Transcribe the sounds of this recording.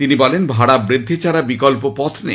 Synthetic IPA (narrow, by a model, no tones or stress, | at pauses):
t̪inibɔlenbʱaɽabɾid̪ʱːit͡ɕaɾabikolpopɔt̪ʰnḛ